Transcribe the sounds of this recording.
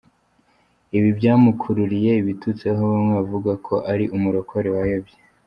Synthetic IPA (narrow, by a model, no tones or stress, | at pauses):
iβibjaːmukʰuɾuɾije̞iβitut͡seɦowomŋeavuɡakʰo̞ʔaɾiʔumuɾo̞koɾewajobje